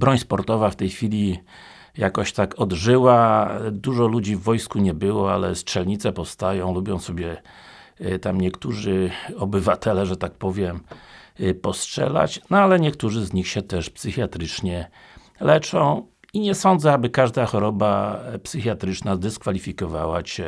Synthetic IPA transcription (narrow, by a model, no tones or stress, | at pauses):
bɾɔɲspɔɾt̪ɔvaft̪ɛjxfʲilʲi | jakɔɕt̪akɔd̪ʐɘwad̪uʐɔlud͡ʑivːɔjskuɲɛbɘwɔalɛ̰stʂɛlɲit̪sɛpɔfst̪ajɔ̃w̃lubʲjɔ̃w̃sɔbʲjɛ | t̪amɲɛkt̪uʐɘɔbɘvat̪ɛlɛʐɛt̪ak̚pɔvʲjɛm | pɔstʂɛ̰la̰t͡ɕnɔalɛɲɛkt̪uʐɘzɲixɕɛt̪ɛʂpsɘxjat̪ɾɘt͡ʂɲɛ | lɛt͡ʂɔ̃w̃ | iɲɛsɔnd̪zɛabɘkaʐd̪axɔɾɔbapsɘxjat̪ɾɘt͡ʂnazd̪ɛskfalʲifʲikɔvawaɕɛ